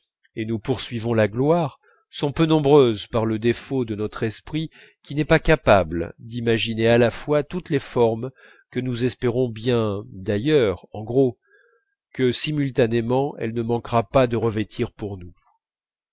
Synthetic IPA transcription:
enupuʁsɥivɔ̃laɡlwaʁ | sɔ̃pønɔ̃bʁøzpaʁləd̪efod̪ənɔt̪χɛspχi | kʲinɛpakapabld̪imaʒinealafwat̪ut̪lefɔʁm | kənuzɛspeʁɔ̃bjɛ̃d̪ajœʁɑ̃ɡʁo | kəsimylt̪anemɑ̃ʔɛ̰lnəmɑ̃kʁapad̪əʁəvet̪ʰiʁpuʁnu

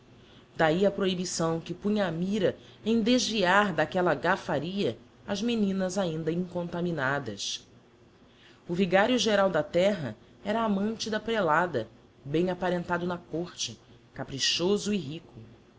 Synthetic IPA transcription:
d̪aiɐpɾoibisɐ̃w̃kɪpũɲɐːmiɾɐ | ẽj̃d̪eʒviaɾd̪akɛlɐɡafaɾiɐ | ɐzmenĩnɐzaĩnd̪ɐĩŋkõnt̪aminad̪ɐs | ʊviɡaɾjʊʒeɾawd̪ɐt̪ɛɦɐ̰ | ɛɾɐːmɐ̃nt͡ʃɪd̪ɐpɾelad̪ɐ | bẽj̃apaɾẽnt̪ad̪ʊnɐkoχt͡ʃɪ | kapɾiʃozʊiɦikʊ

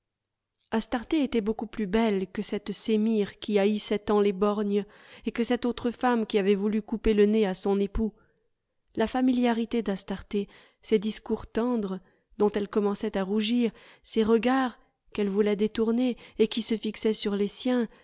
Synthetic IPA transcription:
ast̪aʁt̪eet̪ɛbokuplybɛlkəsɛt̪semiʁkʲiaisɛt̪ɑ̃lebɔʁnjə | ekəsɛt̪ot̪χəfamkʲiavɛvulykupeləneasɔ̃nepu | lafamiljaʁit̪ed̪ast̪aʁt̪e | sed̪iskuʁt̪ɑ̃d̪ʁə | d̪ɔ̃t̪ɛlkɔmɑ̃sɛt̪aʁuʒiʁseʁəɡaʁ | kɛlvulɛd̪et̪uʁneːkʲisəfiksɛsyʁlesjɛ̃

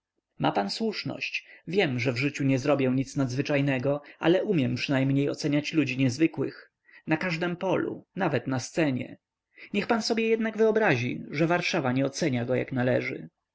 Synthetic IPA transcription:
mʔa̰panswuʂnɔ̰ɕt͡ɕvʲjɛmʐɛvʐɘt͡ɕuɲɛzɾɔbʲjɛ̃ɲit̪snad̪zvɘt͡ʂajnɛɡɔʔa̰lɛʔumʲjɛmpʂɨnajmɲejɔ̰t̪sɛɲat͡ɕlud͡ʑiɲɛzvɘkwɘ̰x | nakaʐd̪ɛmpɔlṵnavɛt̪nast̪sɛɲɛ̰ | ɲɛxpansɔbjɛjɛd̪naɡvɘɔbɾaʑḭʐɛvaɾʂavaɲɛɔt̪sɛɲaɡɔja̰knalɛʐɘ̰

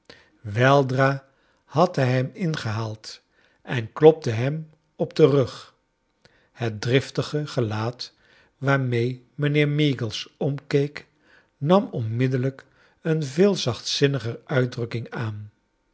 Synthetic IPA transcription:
ʋɛlˠdraː | hɑtɦɛjɦɛmɪnχəɦaːlˠt | ʔɛnklɔp̚təɦɛm | ɔb̚dərɵχ | hət̚drɪftəχəχəlaːt | ʋaːɹmej | mənɪːɹmiɡəlˠsɔmkejk | nɑmɔnmɪdələk | ənvɪːlˠzɑχtsɪnəχərʔœɥdrɵkɪŋaːn

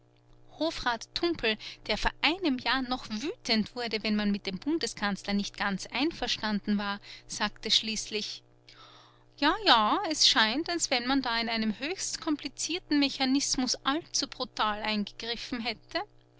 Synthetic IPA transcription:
hoːfʁaːtʰːʊmpl̩d̥eːɐfoːɐʔaɪnəmjaːɐnɔχv̥yːtʰəntv̥ʊɐdəvɛnmanmɪt̚d̥eːmbʊndəskʰant͡slɐnɪçt̚ɡ̥ant͡sʔaɪnfɛɐʃtandn̩vaːɐz̥aːktəʃliːslɪç | jaːjaːɛsʃaɪntalsv̥ɛnmandaːɪnaɪnəmhøːçstkʰɔmplit͡siːɐtn̩meçanɪsmʊsʔalt͡sub̥ʁutʰaːlʔaɪnɡəɡ̥ʁɪfn̩ɦɛtʰə

